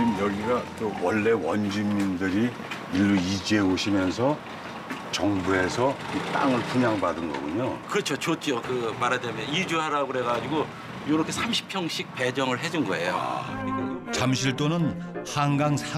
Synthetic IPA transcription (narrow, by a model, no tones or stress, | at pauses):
mjʌɡiɡat̪͈owʌɭːe̞wʌnd͡ʑumːindɯɾi | ilːuid͡ʑieoɕʰimjʌnsʰʌ | t͡ɕʌŋbuɦe̞sʰʌit͈a̰ŋɯɭpuɲaŋbadɯnɡʌ̰ɡuɲokɯɾʌt͡ɕʰot͡ɕot͡ɕ͈okɯmaɾad̪emeid͡ʑuɦaɾaɡoɾeɣad͡ʑiɡo | joɾʌkʰe̞sʰamɕʰi̥pʰjʌŋɕʰik̚pe̞d͡ʑʌŋɯɭɦe̞d͡ʑunɡʌejo | t͡ɕamɕʰiɭt͈onɯn | haŋɡaŋsʰa